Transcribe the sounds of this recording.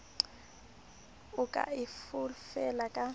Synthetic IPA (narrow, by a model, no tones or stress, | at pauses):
ʊkʼa̰ɪfʊlfɛlakʼa